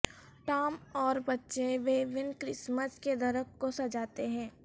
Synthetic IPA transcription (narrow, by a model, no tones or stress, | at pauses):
ʈaːmɔːɾbɐtːʃẽʋeːʋɪnkɾɪsməsked̪ɐɾəkkosɐd͡ʒaːt̪eɦɛ̃ː